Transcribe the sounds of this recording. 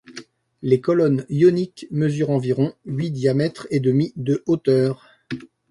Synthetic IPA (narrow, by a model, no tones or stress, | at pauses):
lekɔlɔnjɔnikməzyʁɑ̃viʁɔ̃ɥid̪jamɛt̪χed̪əmid̪əʔot̪œːʁ